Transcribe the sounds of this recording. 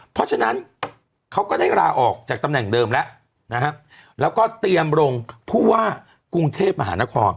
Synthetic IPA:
pʰɔ˦˥t͡ɕʰa˧na˦˥n | kʰa˦˥wkɔː˥˩daː˥˩jɾaː˧ʔɔː˨˩k̚t͡ɕaː˨˩k̚t̪a˧mnɛ˨˩ŋdɤː˧mlɛ˦˥ʔ | na˦˥kʰa˦˥ʔ | lɛː˦˥wkɔː˥˩t̪i˧əmɾo˧ŋpʰuː˥˩waː˥˩ | ku˧ŋt̪ʰeː˥˩p̚ma˧ɦaː˩˦na˦˥kʰɔː˧n

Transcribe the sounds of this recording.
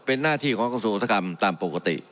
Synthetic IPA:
pe˧nːaː˥˩t̪ʰiː˥˩kʰɔː˨˦ŋka˧suː˧˨ʔt̪ʰːa˧ka˧mt̪aː˧mpo˨˩ka˧t̪ḭ˨˩ʔ

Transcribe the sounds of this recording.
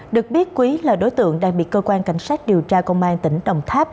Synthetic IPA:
ɗɨ˨˩ək̚ɓi˦˥ət̚kwi˨˦ləː˨˩jɗo˨˦jt̪ɨ̰˧˨əŋɗaː˧˩ŋɓi˨˩t̚kəː˧kwaː˧nka˨˧˩jŋ̟saː˦˥jk̟̚ɗi˨˩əwt͡ɕaː˧kə˧wŋ͡mʔaː˧nt̪ï˧˩˦ŋ̟ɗə˨˩wŋ͡mt̪ʰaː˦˥p̚

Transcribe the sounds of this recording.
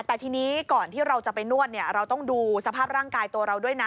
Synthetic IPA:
t̪ɛː˨˩t̪ʰiː˧niː˦˥kɔː˨˩nt̪ʰiː˥˩ɾa˧wt͡ɕa˨˩pa˧jnu˥˩ət̪̚ni˥˩ɐɾa˧wt̪ɔ˥˩ŋduː˧sa˧pʰaː˥˩p̚ɾaː˥˩ŋkaː˧jt̪u˧ɐɾa˧wdu˥˩əjna˦˥

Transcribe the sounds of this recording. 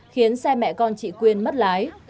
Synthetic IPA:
xi˨˦ənsɛ˧mɛ̰˧˨kɔ˧nt͡ɕḭ˧˨kwi˧ənmə˦˥t̚laː˨˦j

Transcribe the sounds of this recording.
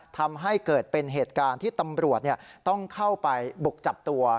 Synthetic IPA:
t̪ʰa˧mɦa˥˩jkɤː˨˩t̪̚pe˧nɦeː˨˩t̪̚kaː˧nt̪ʰiː˥˩t̪a˧mɾu˨˩ət̪̚ni˥˩ət̪ɔ˥˩ŋkʰa˥˩wpa˧jbu˨˩k̚t͡ɕa˨˩p̚t̪u˧ɐ

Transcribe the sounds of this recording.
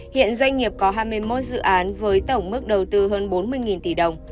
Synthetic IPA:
hḭ˧˨ənzwa˧jŋ̟ŋi˨˩əp̚kɔ˨˦ɦaː˧jmɨ˧jmo˦˥t̚zɨ̰˧˨ʔaː˨˦nvəː˨˦jt̪ə˧˩wŋ͡mmɨ˦˥k̚ɗə˨˩wt̪ɨ˧ɦəː˧nɓo˨˦nmɨ˧əjŋi˨˩nt̪i˧˩ɗə˨˩wŋ͡m

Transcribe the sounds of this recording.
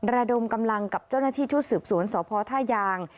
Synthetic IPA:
ɾa˧do˧mka˧mla˧ŋka˨˩p̚t͡ɕa˥˩wnaː˥˩t̪ʰiː˥˩t͡ɕʰu˦˥t̪̚sɯː˨˩p̚su˩˦ənsɔː˩˦pʰɔː˧t̪ʰaː˥˩jaː˧ŋ

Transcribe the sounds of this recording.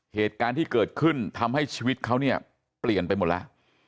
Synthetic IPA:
heː˨˩t̪̚kaː˧nt̪ʰiː˥˩kɤː˨˩t̪̚kʰɯ˥˩nt̪ʰa˧mha˥˩jt͡ɕʰiː˧wi˦˥t̪̚kʰa˦˥wni˥˩ɐ | pli˨˩ənpa˧jmo˨˩t̪̚la̰˦˥ʔ

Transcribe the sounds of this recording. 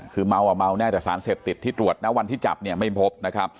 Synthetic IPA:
kʰɯː˧ma˧wʔa˨˩ma˧wnɛː˥˩t͡ɕaː˨˩ksaː˩˦nseː˨˩p̚t̪i˨˩t̪ʰːiː˥˩t̪ɾu˨˩ət̪̚nɛ˦˥wa˧nt̪ʰiː˥˩t͡ɕa̰˨˩p̚ni˥˩əma˥˩jpʰo˦˥p̚na˦˥kʰa˦˥p̚

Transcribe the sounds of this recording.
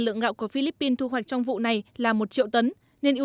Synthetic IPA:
lɨ̰˧˨əŋɣa̰ː˧˨wku˧˩əfi˧li˦˥pːi˧nt̪ʰu˧ɦwa˨˩jk̟̚t͡ɕɔ˧wŋ͡mvṵ˧˨na˨˩jlaː˨˩mo˨˩t̚t͡ɕḭ˧˨əwt̪ə˨˦n | ne˧nʔi˧

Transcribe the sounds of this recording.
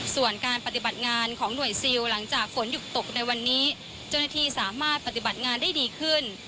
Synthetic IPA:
su˨˩ənkaː˧npa˧t̪i˨˩ba˨˩t̪̚ŋaː˧nkʰɔː˩˦ŋnu˨˩əjsi˧wla˩˦ŋt͡ɕaː˨˩k̚fo˩˦nju˨˩t̪o˨˩k̚na˧jwa˧nːiː˦˥ | t͡ɕa˥˩wnaː˥˩t̪ʰiː˧˩saː˩˦maː˥˩t̪̚pa˨˧t̪i˨˩ba˨˩t̪̚ŋaː˧nda˥˩jdiː˧kʰɯ˥˩n

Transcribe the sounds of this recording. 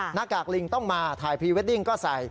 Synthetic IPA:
na˦˥kːaː˨˩k̚li˧ŋt̪ɔ˥˩ŋmaː˧t̪ʰaː˨˩jpʰiː˧we˦˥t̪̚li˥˩ŋkɔː˥˩sa˨˩˦j

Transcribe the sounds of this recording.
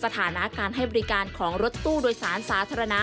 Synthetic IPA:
sa˧t̪ʰaː˩˦na˦˥kaː˧nhɦa˥˩jbɔː˧ɾi˦˥kaː˧nkʰɔː˩˦ŋɾo˧˦˥t̪ːuː˥˩doː˧jsaː˩˦nsaː˩˦t̪ʰaː˧ɾa˧na˦˥

